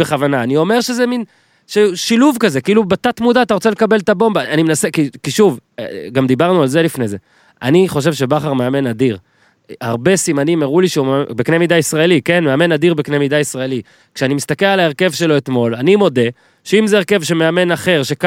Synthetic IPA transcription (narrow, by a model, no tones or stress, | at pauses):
eχavanaːnio̞me̞ʁʃezemin | ʃeʃiluvkazekiilubat̪at̪mud̪aːt̪aʁot͡se̞le̞kabe̞lt̪abo̞mbaanimenasekikiʃuvɡamd̪ibaʁnualze̞lifne̞ze̞ | a̰niχo̞ʃ̬e̞vʃe̞baχaʁmeame̞nad̪iʁ | aʁbe̞simanimeʁuliʃeumbekne̞mid̪aisʁaelike̞nmeame̞nad̪iʁbeknemid̪aisʁaeli | kʃeanimist̪ake̞lalaeʁke̞vʃelo̞et̪mo̞lanimo̞d̪e̞ | ʃeimzeːʁke̞vʃemeame̞naχe̞ʁʃe̞k